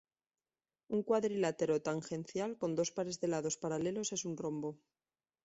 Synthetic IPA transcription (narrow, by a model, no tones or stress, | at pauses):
uŋkwaðɾilat̪e̞ɾo̞t̪aŋxe̞n̟θjalko̞nd̪o̞spaɾe̞zðe̞laðo̞spaɾale̞lo̞se̞sunro̞mbo